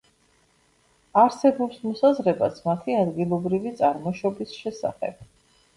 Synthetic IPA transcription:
aɾsɛbɔpsmɔsazɾɛbasmat̪ʰiad̪ɡilˠɔbɾivit̪sʼaɾmɔʃɔbisʃɛsa̰χɛ̰b̥̚

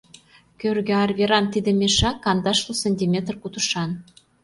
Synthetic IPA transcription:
kʲørɣĕɑrvʲeɾɑnt̪id̪ə̆mʲeʃɑkːɑnd̪ɑʃlusenʲt̪ʲimʲet̪rkut̪uʃɑn

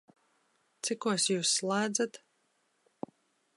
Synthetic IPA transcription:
t̪sikuɔsjuːsːlˠæːd̪zat̪

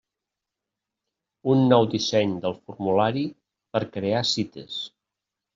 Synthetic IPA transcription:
unːɔwd̪isɛɲd̪əlˠfuɾmulaɾi | pəɾkɾeasit̪ə̰s

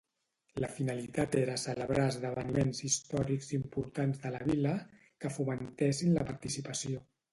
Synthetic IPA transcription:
ləfinəlit̪at̪eɾəsələβɾaəzðəβənimenzist̪ɔɾikzimpuɾt̪anzðələβ̞ilə | kəfumənt̪ɛsinləpəɾt̪isipəsio

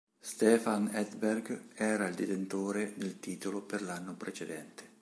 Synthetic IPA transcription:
st̪ɛːfanɛd̪berɡɛːɾaild̪et̪ent̪oːɾed̪elt̪iːt̪oloperlanːopɾet͡ʃed̪ɛnt̪e̥

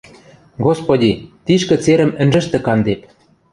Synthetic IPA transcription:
ɣospodʲit̪iʃkɘ̆t͡seɾə̆mɘ̆nʒɘ̆ʃt̪ĕkɑnd̪ep

